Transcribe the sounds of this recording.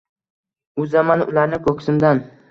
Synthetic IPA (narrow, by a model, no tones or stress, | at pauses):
ʊzamanʊlaɾnɪkʰokʰʲsɪmd̪an